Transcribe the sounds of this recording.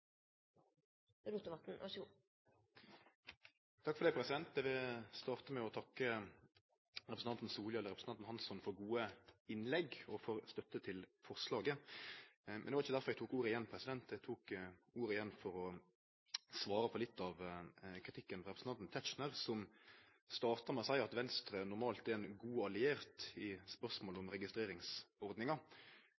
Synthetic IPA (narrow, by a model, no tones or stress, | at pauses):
ɾuːt̪ːəʋɑt̪n̩ʔɑ̰ʃu | t̪ʰɑkːfɔʁd̪ɛɪpʰɾɛsɪd̪ɛnt̪̚d̪ɛʋɪst̪ɑːʁt̪əmɛɔt̪ʰɑkːə | ɾɛpɾəsn̩ʰɑnt̪n̩suːljɑɛlːəɾʁɛpɾəs̩ɑnt̪n̩hɑnsɔnfɔɾɡuːəɪnlɛɡɔfɔɾst̪œt̪ːət̪ʰɪlfɔʁslɑːɡə | mɛ̰nd̪ɛʋɑɾɪçəd̪æɾfɔɾɛɡ̚t̪uːkuːɾəɪjɛnːpʰɾɛsɪd̪ɛnt̪̚d̪ɛt̪ʰuːkuːɾəɪjɛnːfɔɾɔ | sʋɑːɾəpʰɔlɪt̪ʰːɑʋkʰɾɪt̪ʰɪkːənfɔɾʁɛpɾsnɑnn̩t̪ʰæt͡ʃnəɾsɔm | st̪ɑːʁt̪ɑmɛsæɪɑt̪ʋɛnst̪ɾənʊɾmɑːlt̪ɛɛnɡuːɑlɪeːɾt̪ɪspœʁsmoːlɔmɾɛɡɪst̪ɾeːɾɪŋsɔɾd̪nɪŋɑ